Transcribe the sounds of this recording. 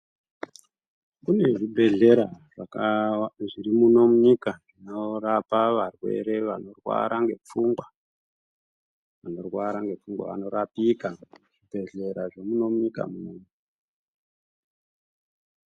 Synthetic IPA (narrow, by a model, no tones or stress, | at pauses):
kune̞ʐibʱe̞ɮe̞ɾaʐa | ʐiɾimuno̞muɲikaʐino̞rapaʋarwe̞̰ɾe̞ʋano̞rwa̰ɾaŋɡe̞p͡fuŋɡwa | ʋano̞rwaɾaŋɡe̞p͡fuŋɡwa̰ʋa̰no̞ɾapikaʐ̥ibʱe̞ɮe̞ɾaʐemuno̞muɲika̰munomuɲi